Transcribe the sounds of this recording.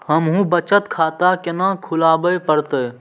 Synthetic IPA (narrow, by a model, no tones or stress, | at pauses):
həmɦũbət͡ʃət̪kʰaːt̪akenãkʰʊlaːbəjpəɾt̪ə